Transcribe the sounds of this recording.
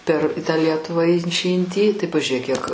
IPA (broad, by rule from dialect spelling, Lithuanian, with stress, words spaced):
pʲɛr tɑː ˈlʲiɛtʊʋɑː ɪn t͡ʃʲɪ ɪn tʲiː tɐɪ pɐʒʲʊˈrʲeːk kʲiɛk